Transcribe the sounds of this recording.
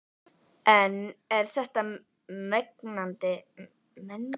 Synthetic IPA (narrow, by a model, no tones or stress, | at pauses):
ɛnɛɾ̥θɛht̪a | meknant̪ɪ | mɛn